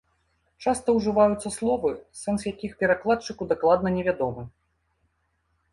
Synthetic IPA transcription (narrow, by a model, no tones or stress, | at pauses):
t͡ʂast̪ɐwʐɨvajut̪sːɐslˠɔvɨsɛnsjakʲixpʲɛɾaklˠatt͡ʂɨkud̪aklˠad̪̚nɐnʲɛvʲad̪ɔmɨ